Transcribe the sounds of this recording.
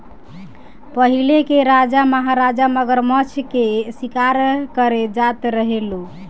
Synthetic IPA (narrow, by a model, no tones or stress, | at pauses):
pəɦilekeɾad͡ʒaməɦaɾad͡ʒaməɡəɾmət͡ʃʰkesikaɾkəɾed͡ʒat̪ɾəɦelu